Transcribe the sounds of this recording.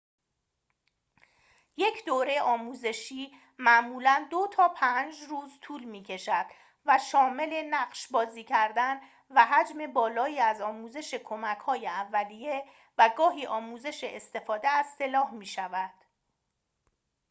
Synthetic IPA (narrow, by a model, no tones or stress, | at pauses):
je̞cʰd̪oːɾeʔɒːmuːze̞ʃiː | mæʔmuːlænd̪ot̪ʰɒːpʰænd͡ʒruːzt̪ʰuːlmiːcʰe̞ʃæd̪̥ | væʃɒːme̞le̞næɢʃbɒːziːcʰæɾd̪æn | væɦæd͡ʒme̞bɒːlɒːiːæzɒːmuːze̞ʃe̞kʰo̞mæchɒːjeævːæliːje̞ | væɡɒːɦiːʔɒːmuːze̞ʃeʔest̪e̞fɒːd̪eæz̥se̞lɒːhmiːʃævæd̪̥